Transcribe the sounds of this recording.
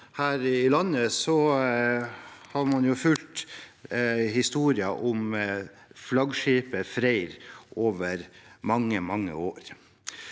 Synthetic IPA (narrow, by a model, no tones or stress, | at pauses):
hæːɾɪlɑnːəsɔ | hɑɾmɑnjʊfʉlt̪ | hɪst̪uːɾɪɑʔɔm | flɑɡʂiːpəfɾæɪɾʔoːʋəɾmɑŋːəmɑŋːə̰oːɾ